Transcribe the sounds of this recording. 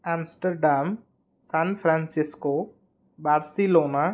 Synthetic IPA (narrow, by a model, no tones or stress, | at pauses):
ãːmsʈəɾɖaːm | sanpʰɾãnsɪsko | baːɾsiloːna